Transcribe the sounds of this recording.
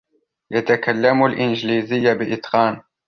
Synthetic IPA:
jat̪akalːamʊlʔɪnd͡ʒliːzɪjːabɪʔɪt̪qɑːn

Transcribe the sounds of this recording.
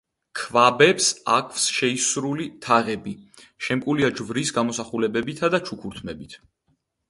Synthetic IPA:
kʰvabɛpsa̰kʰvsʃɛisɾulit̪ʰaʁɛbi | ʃɛmkʼuliad͡ʒvɾisɡamɔsaχulɛbɛbit̪ʰad̪at͡ʃʰukʰuɾt̪ʰmɛbit̪ʰ

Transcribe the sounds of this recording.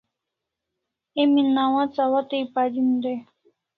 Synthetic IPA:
eminːawãt͡sawat̪ejpad̪ind̪e

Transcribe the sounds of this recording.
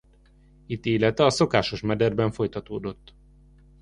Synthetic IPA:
it̪ːiːlɛt̪ɛɒso̞kaːʃo̞ʃmɛd̪ɛrbɛɱfo̞jt̪ɒt̪oːd̪o̞t̪ː

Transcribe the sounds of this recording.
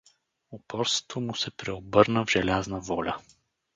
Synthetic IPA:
opɔɾst̪vo̥t̪vomusɛpɾɛobɤɾnəvʒɛlʲaznəvɔlʲə

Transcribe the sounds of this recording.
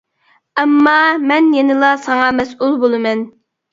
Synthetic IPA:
ɛmːɑmɛnjenɪlˠɑsɑŋɑmɛsʔulˠbolˠɨmɛn

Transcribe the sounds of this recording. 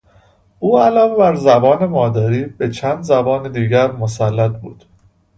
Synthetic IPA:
ʔuːælɒːvebæɾzæbɒːne̞mɒːd̪æːɾiːb̥et͡ʃʰæːnd̪zæbɒːned̪iːɟæɾmosælːæt̪̚buːd̪̥

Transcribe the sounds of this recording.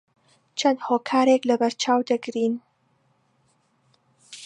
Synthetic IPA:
t͡ʃʰɐnd̪hoːkʰaːɾeklɐbɐɾt͡ʃʰaːwd̪ɐɡɾiːn

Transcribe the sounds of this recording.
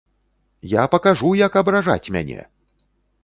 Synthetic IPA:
japɐkaʐujɐkɐbɾaʐa̰t͡sʲmʲa̰nʲɛ̰

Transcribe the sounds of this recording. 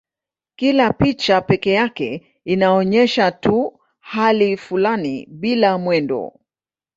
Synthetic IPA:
kilapit͡ʃapɛkɛjakɛ | inaɔɲɛʃatu | halifulanḭɓilamwɛndɔ̰

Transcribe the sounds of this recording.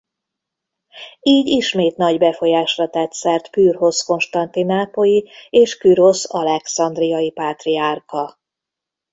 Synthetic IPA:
iːɟiʃmeːt̪nɒɟbɛfo̞jaːʃrɒt̪ɛt̪sɛrt̪pyːrɦo̞sko̞nʃt̪ɒnt̪inaːpo̞jieːʃkyɾo̞sɒlɛksɒnd̪rijɒjipaːt̪riaːrkɒ

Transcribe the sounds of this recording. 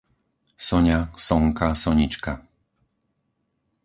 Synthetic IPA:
sɔɲasɔŋkasɔɲit͡ʃka

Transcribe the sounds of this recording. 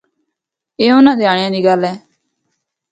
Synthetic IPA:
eːʊnãːd̪eaːɳɪjãːd̪iːɡəlɛː

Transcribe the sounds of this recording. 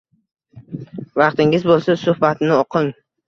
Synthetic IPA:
vɑqt̪ɪŋɪzbolˠsasʊhbat̪nɪoqʰɪŋ

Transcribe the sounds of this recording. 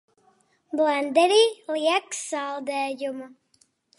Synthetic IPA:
blænd̪ɛɾiːlʲiɛksalˠd̪ɛːjuma

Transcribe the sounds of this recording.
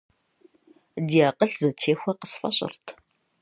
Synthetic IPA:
diaːqəɬzɐtʰeːxʷɐqə̥sfʼɐ̰ɕʼɪ̰rtʰ

